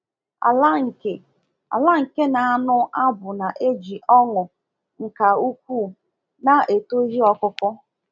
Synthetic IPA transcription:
a̰˨la˦ŋ̩˨ke˨ | a̰˨la˦ŋ̩˨ke˦na˨a˦nʊ˦a˦bʊ˨na˨ʔe˦d͡ʒi˨ʔɔ˦ŋʊ˨ | ŋ̩˨ka˨u˦kʷu˦ | na˨e˨to˦ɦi˦ɔ˦kʊ˦kʊ˦

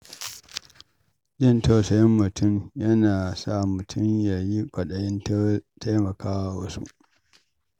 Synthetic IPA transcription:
d͡ʒɪ˦˨ntɐ˨sɐ˨jɐ˦mːʊ˨tʊ˦˨mjɐ˦naː˨sa˦˨mʊ˨tʰʊ˦mja˨ji˦kʷʼɐ˨ɗɐ˨jɪ˦n˦tʰa˦jmɐ˨kaː˦wa˨wɐ˦sṵ˦

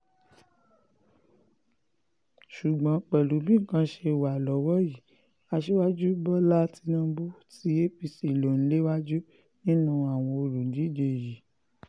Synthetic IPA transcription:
ʃu˨ɡ͡bã˨˦k͡pɛ˨lu˨˦bi˦ŋ̩˨kã˧˦ʃe˧˨wa˨lɔ˨˦wɔ˦ji˨˦ | a˧ʃe˦wa˦d͡ʒu˦bɔ˦la˦ti˧nũ˧bu˦tʰi˨˦e˦fi˧si˨lo˨ñ̩˦le˦wa˦d͡ʒu˦ | nĩ˦nũ˧a˨w̃ɔ̃˧o˧ɾu˨n̩˨˦di˨˦˨d͡ʒe˧˨ji˨˦

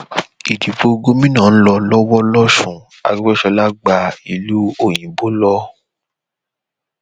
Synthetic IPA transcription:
i˨di˨fo˧ɡo˦mĩ˦nã˨n̩˦lɔ˧lɔ˦wɔ˦lɔ˦ʃũ˨ | a̰˨ɡɛ˦ʃɔ˧la˦ɡ͡ba˧i˨lu˦o˦˨j̃ĩ˨bo˨˦lɔ˦

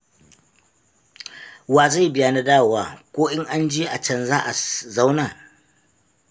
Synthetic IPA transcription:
waː˨za˦˨bɪ˦jaː˦˨na˨daː˦˨waː˨kʷoː˦ʔɪ˦ŋʔa˦nd͡ʒi˦ʔa˨t͡ʃɐ˦˨nzaː˦ʔa˨za˦wnaː˨

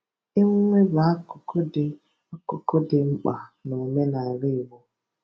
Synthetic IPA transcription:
ɪ˦ŋ̩˦ŋʷe˦ba˨˦a˦kʊ˨kʰʊ˦dɪ˨ | ɔ˦kʊ˨kʊ˦dɪ˨ŋ͡m̩˦k͡pa˨no˨me˦na˨ɪ˨ɾɪ˦˨wo˦

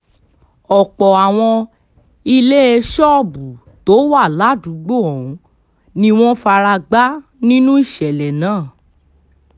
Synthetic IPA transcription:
ɔ˨k͡pɔ˨a˨w̃ɔ̃˧ | i˧le˦e˧ʃɔ˦˨bu˨ | to˨˦wa˦˨la˨˦du˨˦ɡ͡bo˦˨ɔ̃˨ũ˨˧ | nĩ˧w̃ɔ̃˦fa˧ɾa˧ɡ͡ba˦nĩ˦nũ˦i˦˨ʃɛ˨lɛ˨nãː˨˦˨

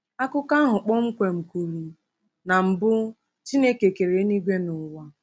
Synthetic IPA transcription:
a˦kʊ˦ka˦ɦʊ˨k͡pɔ˦ŋ͡m̩˦kʷe˨ŋ͡m̩˨ku˨ɾi˨ | na˨m̩˨bʊ˦ | t͡ʃi˦ne˦ke˨ke˨ɾe˨˦ni˦ɡʷe˦nʊ˨wa˦

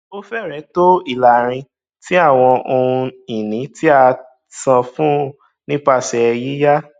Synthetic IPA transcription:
o˦fɛ˦˨ɾɛ̃˨˦to˦i˦˨la˨ɾ̃ĩ˧ | ti˦a˦˨w̃ɔ̃˧o˧ũ˧i˨nĩ˨˦ti˦a˧ | sã˧fũ˦ | nĩ˦pa˦˨sɛ˨˦˧ji˦ja˦

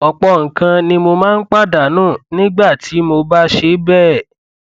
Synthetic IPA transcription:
ɔ˧˨k͡pɔ˧ŋ̩˨kã˧nĩ˧mo˧mãː˦n̩˦k͡pa˦˨da˨nũː˦˨nĩ˦ɡ͡ba˦˨tʰi˨˦mo˧ba˦ʃe˧˦bɛː˦˨

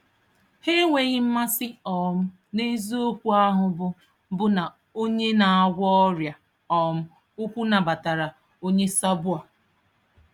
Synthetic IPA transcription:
he˦ŋʷe˨ɣɪ˦m̩˦ma˦sɪ˦ɔ˨m̩˦ | ne˦zo˦kʷu˦a˦ɦʊ˨bʊ˨ | bʊ˦na˨ | o˦ɲe˦na˨a˦˨ɡʷɔ˦ɔ˦ɾja˨ | ɔ˨m̩˦ | u˦kʷu˦na˨ba˨ta˨ɾa˨ | o˦ɲe˦sa˦bʊ˦a˨

